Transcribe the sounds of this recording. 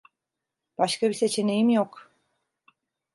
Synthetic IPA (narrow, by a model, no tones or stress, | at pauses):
b̥aʃkabise̞t͡ʃʰe̞ne̞jimjok